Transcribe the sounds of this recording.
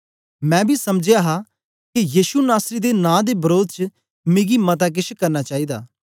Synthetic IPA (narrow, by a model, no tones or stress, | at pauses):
mɛ̃ːbʱisɐmd͡ʒjaːɦaː | kijiːʃunaːsɾid̪enãːd̪ebɐɾoːd̪ʱt͡ʃ | mẽːɡimɐt̪̬ak̬ɪt͡ʃkɐɾnaːt͡ʃaːiːd̪a̰ː